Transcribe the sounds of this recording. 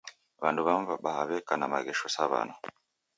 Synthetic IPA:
βanduβamvaɓahaβɛkanama̰ɣɛʃɔsaβa̰nɔ

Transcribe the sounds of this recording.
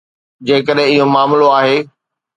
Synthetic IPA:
d͡ʑeːk̬əɗɦɪ̃ɪɦomaːmloaːɦeː

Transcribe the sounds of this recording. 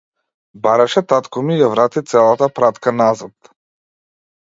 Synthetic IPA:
baɾaʃɛt̪at̪kɔmijavɾat̪it̪sɛlˠat̪apɾat̪kanazat̪

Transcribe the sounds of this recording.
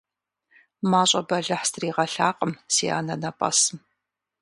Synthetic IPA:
maːɕʼɐbɐɮɐħstʰɨriːʁɐɬaːqʼəmsiːa̰ːnɐnɐpʼɐ̰sɨm

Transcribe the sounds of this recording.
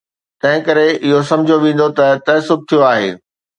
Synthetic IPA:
t̪ɐ̃ɦɪ̃kɐɾeɪɦosɐ̃md͡ʑʱjoʋẽːn̆d̪ot̪ɐt̪ɛːsʊb̚t̪ʰijoaːɦḛː

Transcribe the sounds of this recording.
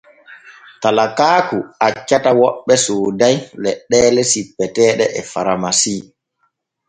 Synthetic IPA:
talakaːkuat͡ʃːatawɔɓːɛsoːdajlɛɗːɛːlɛsipːɛtɛːɗɛʔɛfaɾamasiː

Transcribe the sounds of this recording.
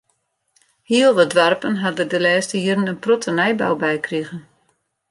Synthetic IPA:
hiəlˠʋədʋarpənɦadədəlɛːstəiəɾənənprɔtənɛjba̰wbɛjkriɣən

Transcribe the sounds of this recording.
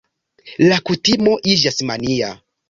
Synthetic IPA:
lakutimo̞ʔid͡ʒasmania̰

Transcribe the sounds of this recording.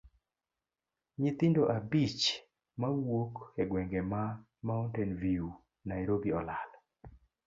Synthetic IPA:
ɲɪt̪ɪndoʔabit͡ʃ | mawokeɡwɛŋɡɛma | mauntɛnviu | najɾobiɔlal

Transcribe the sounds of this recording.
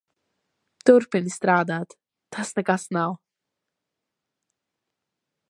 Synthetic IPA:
d̪̥ʊɾpɪnist̪ɾaːd̪ad̪̥ | t̪ʰasnəɡasnaw

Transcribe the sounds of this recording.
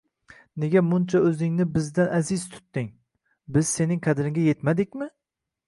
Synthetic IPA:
neɡʲamʊnt͡ʃʰaɵzɪŋnɪbɪzd̪anʔæzɪzt̪ʰʊ̥t̪ːɪŋ | bɪz̥se̞nɪŋqʰad̪ɾɪŋɡʲajet̪mad̪ɪk̚ʲmɪ

